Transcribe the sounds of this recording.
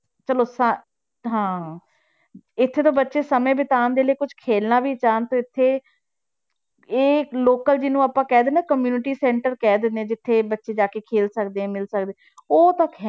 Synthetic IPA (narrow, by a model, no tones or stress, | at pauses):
t͡ʃəloːsa | ɦãː | ɪt̪ʰːeːt̪õːbətːʃeːsəmẽːbɪt̪aːnd̪eːləiːkʊd͡ʒkʰeːlnaːbiːt͡ʃaːnt̪õːɪt̪ʰːeː | eːloːkəld͡ʒɪnũːaːpãːkɛːd̪eːneːkəmjuːnɪʈiːsɛ̃ːɳʈəɾkɛːd̪ɪnd̪eɛ̃d͡ʒɪt̪ʰːeːbətːʃeːd͡ʒaːkeːkʰeːlsəkd̪eːɛ̃ːmɪlsək̚d̪e | oːt̪əkɦɛ